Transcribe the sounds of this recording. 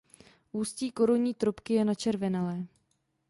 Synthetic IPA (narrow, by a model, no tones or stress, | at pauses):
ʔuːsciːkoɾoɲiːt̪ɾopkɪjɛnat͡ʃɛɾvɛnalɛː